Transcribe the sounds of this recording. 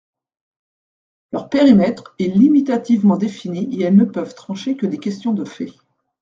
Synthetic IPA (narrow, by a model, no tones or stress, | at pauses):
lœʁpeʁimɛt̪χɛlimit̪at̪ivmɑ̃d̪efiniʔeɛlnəpœvt̪χɑ̃ʃekəd̪ekʲɛst̪jɔ̃d̪əfɛ